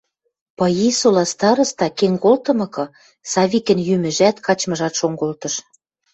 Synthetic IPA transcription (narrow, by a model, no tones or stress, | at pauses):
pɤ̆jisolɑst̪ɑɾɤ̆st̪ɑkeŋkolt̪ɤ̆mɤ̆kɤ̆ | sɑβikə̆njymɘ̆ʒæt̪kʰɑt͡ɕmɤ̆ʒɑt̪ʃoŋɡolt̪ɤ̆ʃ